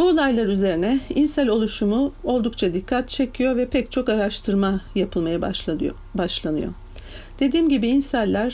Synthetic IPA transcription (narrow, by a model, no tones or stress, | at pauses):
bulˠajlˠaɾyze̞ɾinɛinsælʲo̞lˠuʃumuo̞lˠd̪ukt͡ʃʰad̪ikʰːat̪̚t͡ʃʰe̞cʰijo̞vɛpʰɛct͡ʃʰo̞kaɾaʃt̪ʰɯɾmajapʰɯlˠmaja | baʃlˠanɯ̰jo̰ | d̪̥e̞d̪iːmɟibiːnsælʲːæɾ̥